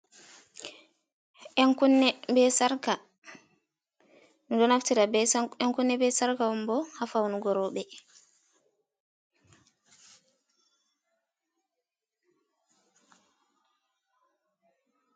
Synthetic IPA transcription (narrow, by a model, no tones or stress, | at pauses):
ɛŋkunːɛbɛsaɾka | nudɔnaftiɾaɛŋkunːɛbɛsaɾkawɔmbɔhafawnuɡɔɾɔɓɛ